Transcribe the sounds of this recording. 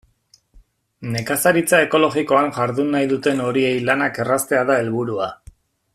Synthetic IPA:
ne̞kasaɾit͡sae̞ko̞lo̞ɣiko̞aŋʝaɾðunːajðut̪e̞no̞ɾie̞jlanake̞rast̪e̞aðae̞lβuɾua

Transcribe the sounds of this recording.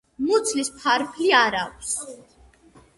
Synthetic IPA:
mut̪sʰlispʰaɾpʰliaɾakʰs

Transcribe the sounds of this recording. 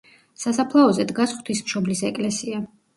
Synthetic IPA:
sasapʰlˠaɔzɛd̪ɡasχwt̪ʰismʃɔblisɛkʼlɛsia

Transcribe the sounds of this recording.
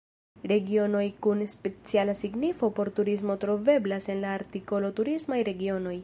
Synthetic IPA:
ɾe̞ɡio̞no̞jkunspe̞t͡sialasiɡnifo̞po̞ɾtuɾismo̞tɾo̞ve̞blase̞nlaːɾtiko̞lo̞tuɾismajɾe̞ɡio̞no̞j

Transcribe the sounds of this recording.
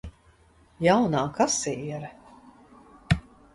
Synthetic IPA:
jawnaːkasiiɾ

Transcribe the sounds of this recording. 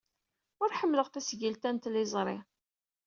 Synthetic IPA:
ʊɾħəmːləʁθæsʝəlt̪ænt̪lɪzˤɾˤɪ

